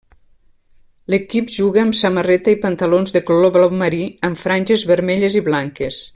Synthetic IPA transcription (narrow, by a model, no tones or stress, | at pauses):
ləkipʒuɣəːmsamərɛt̪əipənt̪əlonzðəkloloβlɔməɾiəmfɾanʲʒezβəɾmɛʎeziβlaŋkes